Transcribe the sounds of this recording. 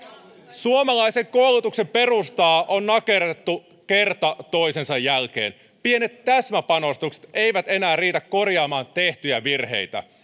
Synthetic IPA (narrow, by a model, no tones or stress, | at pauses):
suomɑlɑjse̞ŋko̞lːut̪ukse̞mpe̞rust̪ɑːʔonːɑke̞ret̪ːu | ke̞rt̪ɑt̪o̞jsensɑjːælk̟e̞ːn | pie̞ne̞t̪ːæsmæpɑno̞st̪ukse̥t̪e̞jʋæt̪e̞næːriːt̪ækːo̞rjɑːmɑːnt̪e̞ht̪yjæʋirhe̞̰jt̪æ̰